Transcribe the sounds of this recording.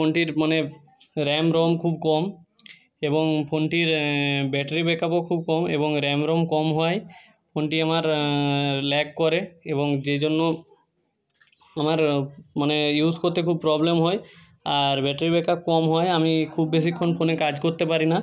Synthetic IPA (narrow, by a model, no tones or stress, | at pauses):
pʰoɳʈiɾmane | ɾɛmɾɔmkʰubkɔm | ebɔŋpʰoɳʈiɾbɛʈaɾibɛkʰapokʰub̚kɔmḛbɔŋɾɛmɾomkɔmɦɔj | pʰoɳʈiamaɾ | lɛkːɔɾeebɔŋd͡ʒed͡ʒonːɔ | amaɾmanejuskoɾt̪ekʰub̚pɾɔblemɦɔj | aɾbɛʈaɾibɛkakɔmɦɔjamikʰubːes̬ikʰɔnpʰonekad͡ʒkoɾt̪epaɾina